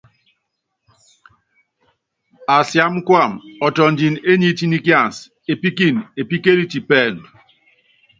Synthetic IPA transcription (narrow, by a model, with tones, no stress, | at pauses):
a˨sja˦m˦kwa˦˨mɔ˨tɔ˨n̩˨d͡ʒi˨ne˦ɲi˦ti˦ni˦kja˦˨n˨s | e˨pi˦ki˦˨ne˨pi˦ke˦li˦ti˨pɛː˦˨n˨